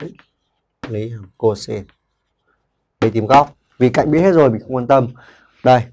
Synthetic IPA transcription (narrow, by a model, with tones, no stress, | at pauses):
li˨˦ha˨˩mko˧se˧ | ɓə˧˩t̪i˧˩mɣɔ˦˥wk͡p̚ | vi˨˩ka̰˧˨jŋ̟ɓi˦˥əhe˦˥t̚zo˨˩jmï˨˩ŋ̟xə˧ŋ͡mkwa˧nt̪ə˧m | ɗə˧˩j